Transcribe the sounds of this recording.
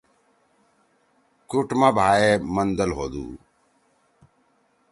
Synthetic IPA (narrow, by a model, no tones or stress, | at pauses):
kʊʈmabʱaːeːmənd̪əlɦoːd̪ṵː